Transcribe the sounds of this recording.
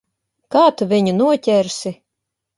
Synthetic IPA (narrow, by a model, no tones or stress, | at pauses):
kaːt̪uvʲiɲunuɔtʲɛɾsʲi